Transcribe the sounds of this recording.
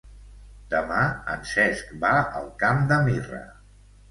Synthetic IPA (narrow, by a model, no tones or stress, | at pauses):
d̪əmaənsɛskbaə̰lˠkamd̪əmirə̰